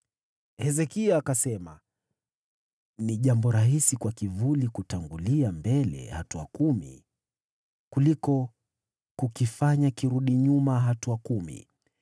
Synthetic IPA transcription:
hɛzɛkiaːkasɛma | niʄambɔɾaɦisikwakivulikutaŋɡuliambɛlɛ̰hatua̰kumḭ | kulikɔ | kukifaɲakiɾuɗiɲumaɦatuakumḭ

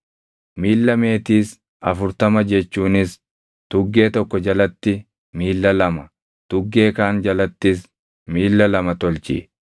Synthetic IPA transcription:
miːlːɐmeːt̪iːs | ɐfʊɾt̪ɐmɐd͡ʒɛt͡ʃːuːnɪs | t̪ʊɡːe̞ːt̪ɔkːɔd͡ʒɐlɐt̪ːɪ | miːlːɐlɐmɐ | t̪ʊɡːe̞ːkaːnd͡ʒɐlɐt̪ːɪs | miːlːɐlɐmɐt̪ɔlt͡ʃɪ̰

